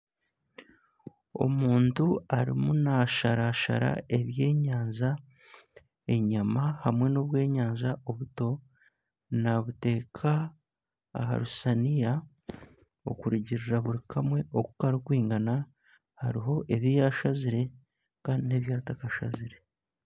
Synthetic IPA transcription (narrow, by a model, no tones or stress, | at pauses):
o̞̰muːntuaɾḭmunaʃaɾaʃa̰ɾa̰e̞βje̞ːɲaːɲza | e̞ɲamahamwe̞no̞βwe̞ːɲaːɲʒaʔo̞βuto̞ | naβute̞ːkʰa̰ː | ɦa̰ɾusanija | o̰kuɾiɟiɾiɾaβuɾikʰamwe̞ʔokukaɾikwiːŋɡana | ha̰ɾiɦo̞ʔeβijaʃaziɾe̞ | kaːndineβjaːtakaʃa̰ziɾe̞